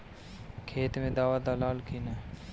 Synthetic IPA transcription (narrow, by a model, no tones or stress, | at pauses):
kʰeːt̪mẽd̪aːʋad̪alaːlkʰinaː